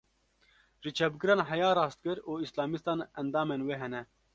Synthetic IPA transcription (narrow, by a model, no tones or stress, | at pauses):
ʒit͡ʃʰɛb̚ɡɨɾɑːnɦɛjaːɾɑːst̪̚kɨɾuːislɑːmist̪ɑːnɛnd̪ɑːmeːnweːɦɛnɛ